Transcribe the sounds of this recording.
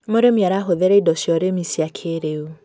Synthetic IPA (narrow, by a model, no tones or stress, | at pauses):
moɾemiaɾaɦoðɛɾɛidɔʃjɔɾemisiakʰeɾeu